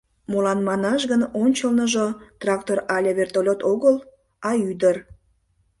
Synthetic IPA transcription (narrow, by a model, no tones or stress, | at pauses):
molɑnmɑnɑʃ̬ɣənonʲt͡ɕəlnəʒot̪rɑk̚t̪orɑlʲeβert̪olʲot̪oɣəl | ɑyd̪ər